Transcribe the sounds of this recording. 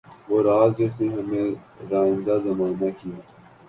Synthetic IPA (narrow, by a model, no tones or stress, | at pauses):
ʋoːɾaːzɛseɦɐmẽ | ɾaːɪ̃nd̪azɐmaːnakijaː